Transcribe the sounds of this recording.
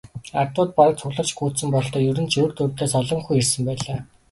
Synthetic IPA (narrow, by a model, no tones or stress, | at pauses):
art̪wʊːt̪̚paɾə̆t͡sʰʊɣɮə̆t͡ɕɡuːsɘ̆mpɔɮt̪ɔːjɵɾɘ̆nt͡ɕʰɵːrt̪ɵrt̪eːsɔɮɞ̆ŋxujersɘ̆mpæːɮaː